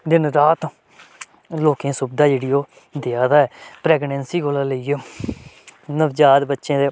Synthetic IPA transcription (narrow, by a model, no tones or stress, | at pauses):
d̪ɪnɾaːt̪ | loːkẽːsʊbd̪aːeːɽijoː | d̪eaːd̪aːɛːpɾɛːɡnɛ̃ːnsiːɡoːlaːləiːoː | nəʋd͡ʒaːd̪bətːʃẽːd̪eː